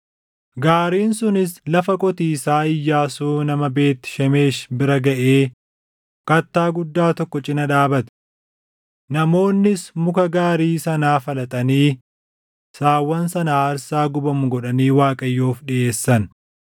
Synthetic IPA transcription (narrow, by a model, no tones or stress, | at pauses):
ɡaːɾiːnsʊnɪslɐfɐkʼɔt̪iːsaːɪjːaːsuːnɐmɐbe̞ːt̪ːɪ̥ʃɐme̞ːʃbɪɾɐɡɐʔeː | kɐt̪ːaːɡʊd̪ːaːt̪ɔkːɔt͡ʃʼɪnɐᶑaːbɐt̪ɪ̥ | nɐmo̞ːnːɪsmʊkɐɡaːɾiːsɐnaːfɐlɐt̪ʼɐniː | saːwːɐnsɐnaːɐɾsaːɡʊbɐmʊɡɔɗɐniːwaːkʼɐjːoːfᶑɪʔe̞ːsːɐn